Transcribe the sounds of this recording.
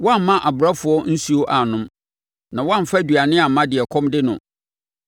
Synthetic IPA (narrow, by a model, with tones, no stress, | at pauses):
wã˦˨m̩˨mã˦ʔa˨bʊ˨ɾa˦fʊ˨˦ɔ˦n̩˦su˦o˦ʔa˨nʊ̃˦m | nã˨wã˦m̩˨fa˦du˨a˨nɪ̃˦a˨mã˦dɪ˨ɛ˨kʰɔ̃˦mdɪ˦nʊ̰̃˨